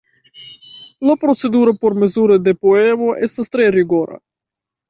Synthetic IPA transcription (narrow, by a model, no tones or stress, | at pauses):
lapɾo̞t͡se̞duɾopo̞ɾme̞zuɾede̞poe̞mo̞ʔe̞stastɾe̞ɾiɡo̞ɾa̰